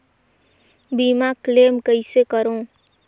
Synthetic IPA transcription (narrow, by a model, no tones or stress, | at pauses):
biːmakleːmkəɪsekəɾõː